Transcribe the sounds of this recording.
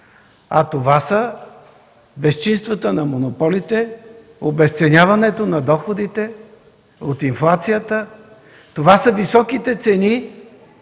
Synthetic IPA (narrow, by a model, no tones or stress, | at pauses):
ɐt̪ovasə | bɛst͡ʃinst̪vət̪ənɐmonopɔlit̪ɛ | obɛst̪sɛnʲavɐnɛt̪onɐd̪ɔxod̪it̪ɛ | ot̪inflˠat̪sijət̪ə | t̪ovasəvisɔkit̪ɛt̪sɛni